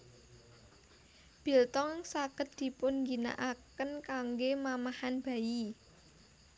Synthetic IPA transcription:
b̥i̤lt̪ɔŋŋsaɡ̥ə̤t̪̚d̪̥i̤pʊnŋɡina̰ʔakənkaŋɡemamahanb̥ä̤ji

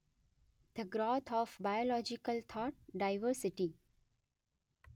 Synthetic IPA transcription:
d̪ʰəɡɾɔːt̪ʰɔːfbajolɔːd͡ʒɪkəlt̪ʰɔːʈ̚ɖaɪʋəɾsɪʈi

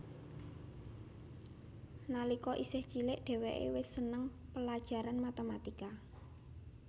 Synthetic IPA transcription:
nalikɔʔisɪht͡ʃilɪʔɖ̪̥ɛ̤weʔḛwɪssənəŋpəlad̥ʒ̥a̤ɾanmat̪emat̪ika

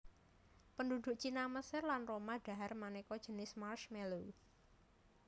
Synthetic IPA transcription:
pəndud̪̥ʊ̤ʔt͡ʃinaməsɪrlanromaɖ̥a̤ɦarmanɛkɔd̥ʒ̥ə̤nɪsmarʃmelu

